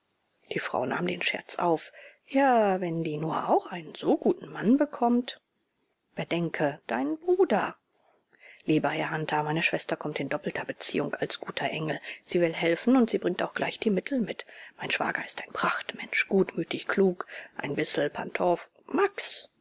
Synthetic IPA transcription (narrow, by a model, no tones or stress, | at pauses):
d̥iːfʁ̥a̰ʊna̰ːmdeːnʃɛ̰ɐt͡sʔa̰ʊf | jaːvɛndiːnuːɐʔaʊxʔaɪnənz̥oɡuːtn̩manbəkʰɔmt | b̥ədɛŋkʰəd̥aɪnənbʁuːdɐ | liːbɐhɛɐhantʰɐmaɪnəʃv̥ɛstɐkʰɔmtɪndɔpl̩tʰɐbət͡sḭːʊŋkalsɡ̥uːtʰɐʔɛŋl̩z̥iːvɪlɦɛlfn̩ʊntz̥iːbʁɪŋktaʊxɡ̥laɪçd̥iːmɪtʰl̩mɪtmaɪnʃv̥a̰ːɡɐɪstaɪnpʁ̥aχtmɛnʃɡ̥uːtmyːtɪçkʰl̥uːkʔa̰ɪnbɪsl̩pʰa̰ntʰɔf | maks